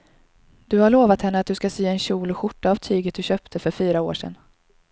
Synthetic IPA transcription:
d̪̥ɵhaɭoːvat̪hɛnːəat̪̚d̪ɵskaseːɛnɕuːlɧʊʈːaːvt̪ʰyːɡət̪̚d̪ɵɕøːpt̪ʰəfœɾfyːɾaoːʂɛ̰nː

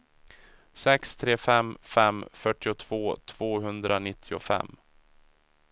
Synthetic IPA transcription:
sɛkst̪ʰɾeːfɛmːfɛmfœʈːɪʊt̪ʰv̥oːt̪ʰv̥oːɦɵnd̪ɾanɪt̪ʰːɪʊ̰fɛ̰mː

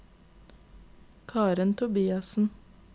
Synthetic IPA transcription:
kʰɑːɾənt̪ʰʊbiːɑsn̩

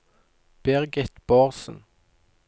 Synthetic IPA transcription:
b̥ɛʁɡət̪b̥ɑːʁsn̩

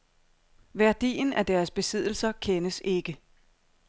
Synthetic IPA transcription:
ʋæɐd̥ḭːnæd̥æɐsb̥e̝sið̞̰ˠl̩sɐkʰenəse̝ɡ̥ə

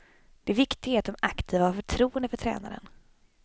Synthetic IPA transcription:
d̪̥ɛːvɪkt̪ɪɡaat̪̚d̪ɔmakt̪ʰiːvahaɾfœʈʰɾuːənd̪əfœʈʰɾɛ̰ːna̰ɾə̰n

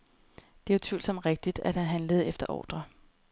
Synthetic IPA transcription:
d̥e̝ʋɐt͡sʰʋy̰ːldsɒ̽m̰d̥ʁeɡ̥̚d̥id̥æd̥hæɦænləð̞̩ˠefd̥ɐʔɒ̰ːd̥ʁɐ

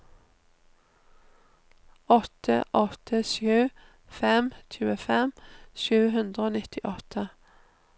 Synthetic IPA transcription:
ɔt̪ʰə̰ʔɔt̪ʰəʃjʉː | fɛmt̪ʰʉːəfɛmʃʉːhʉnd̪ʁəoːnɪt̪ɪʔɔt̪ʰə

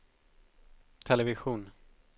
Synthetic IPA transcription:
t̪ʰɛlɛvɪɧuːn

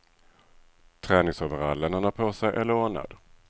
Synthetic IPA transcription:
t̪ʰɾɛːnɪŋsoːvəɾalːənənapʰosɛjʔɛlːəɾoːɳa̰d̪

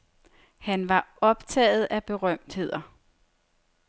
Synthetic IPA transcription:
hænʋɑ̈ɒ̽b̥t͡sʰɛ̰ːð̞̩ˠæb̥e̝ʁɶm̰d̥he̝ð̞̰ˠɐ

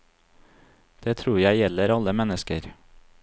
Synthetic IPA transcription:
d̪̥eːt̪ʰɾuːɾjæɪjɛləɾɑləmɛnəskəɾ

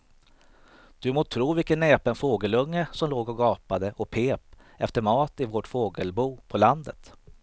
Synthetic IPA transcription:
d̪̥ɵmoːt̪ʰɾuːvɪlkənːeːpənfoːɡəlɵŋːəsɔmloːɡɔɡɑːpad̪əʔɔpʰeːp | ɛft̪əɾmɑːt̪ɪvoʈfoːɡəlbuːpʰɔland̪ət̪

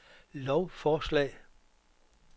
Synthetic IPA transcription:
lɒʊfɒːslɛ̰ː

